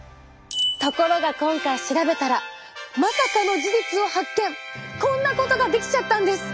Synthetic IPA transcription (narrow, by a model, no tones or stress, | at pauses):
t̪o̞ko̞ɾo̞ɡakõ̞ŋkaiɕiɾabe̞t̪aɾa | masakanoʑiʑit͡sɨo̞hakːẽ̞ŋkõ̞nːako̞t̪o̞ɡad̪e̞kʲi̥t͡ɕat̪ːãnd̪e̞sɨ̥